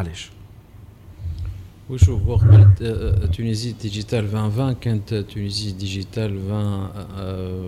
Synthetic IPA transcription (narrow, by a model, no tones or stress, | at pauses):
lɛʃ | wiʒuʁɔʁk̪t̪ynizid̪iʒit̪alvɛ̃vɛ̃kɛ̃nt̪t̪ʰynizid̪iʒit̪alvɛ̃